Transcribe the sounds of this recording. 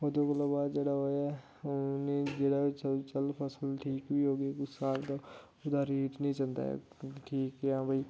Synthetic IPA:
oːd̪oːkəloːbaːd̪d͡ʒeːɽaːɦoːaː | nẽːd͡ʒeːɽaːɪt͡ʃt͡ʃəlpʰəsəlʈʰiːkʋiːɦoːɡeːkʊsaːbd̪aː | ʊd̪aːɾiːʈnĩːt͡ʃənd̪a̰ː | ʈʰiːkːãːbəiː

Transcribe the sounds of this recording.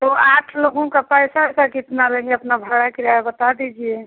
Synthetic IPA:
t̪oaʈʰloɡõkapəjsasakit̪nalə̃ŋɡeəpnabʱəɽakiɾaebət̪ad̪id͡ʒiɛ

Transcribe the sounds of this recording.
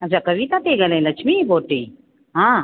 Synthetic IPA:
ɐt͡ʃʰakɐʋit̪ãt̪eɡɐlẽlɐt͡ʃʰmiboːʈːĩː | ɦã

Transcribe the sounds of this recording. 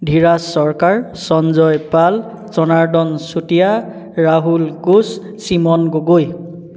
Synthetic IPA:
dʱiɹasːɔɹkaɹ | sɔnzɔjpal | zɔnaɹdɔnsutija | ɹaɦulkus | simɔnɡoɡoj

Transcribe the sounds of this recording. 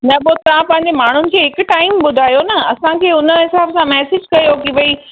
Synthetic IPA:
nɐboːt̪ɐʋãpɐ̃ɦɪ̃ɲ̆d͡ʑemaːɳ̤ʊnɪ̆kʰeːɦɪk̆ʈaːɪmɓʊd̪ʱaːjonɐɐsãkʰeːʊnə̆ɦɪsaːbsãmɛːsɪd͡ʑkɐjokiʋɐiː

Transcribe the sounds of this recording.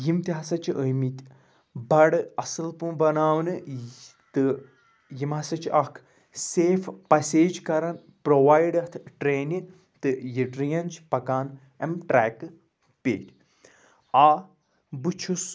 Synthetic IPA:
jimt̪ʲiɦɐsɐt͡ʃʰiʔəjmit̪ʲ | bɐɽɨɐsɨlpubɐnaːwnɨ | t̪ɨ | jimɐsɐt͡ʃʰʔɐkʰ | seːfʰpɐsʲeːd͡ʒkɐɾɐn | pɾoʋaːjɖɐt̪ʰʈɾeːni | t̪ɨjiʈɾijɐnt͡ʃʰpɐkaːn | ɐmʈɾɛːkɨ | pḛːʈʲ | aː | bɨt͡ʃʰus

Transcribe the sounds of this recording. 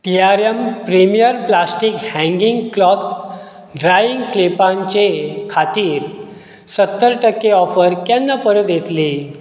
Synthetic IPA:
ʈ̪ijaɾjəmpɾimijəɾplasʈikhɛ̃ŋɡiŋɡklɔt̪ | ɖɾajiŋɡklepãɲt͡ɕekʰat̪iːɾ | sət̪ːəɾʈəkːeɔfəɾkɛ̃nːapəɾət̪jet̪li

